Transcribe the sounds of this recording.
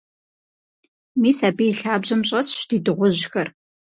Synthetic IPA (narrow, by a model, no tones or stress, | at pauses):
miːsaːbiːɬaːbʑɐmɕʼɐsʃdiːdɨʁʷʊʑxɐr